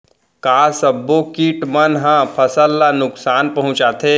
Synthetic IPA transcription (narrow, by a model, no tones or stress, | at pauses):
kaːsəbːokiːʈmənɦãpʰɐsəlːanʊksaːnpɐɦʊ̃t͡ʃaːt̪ʰeː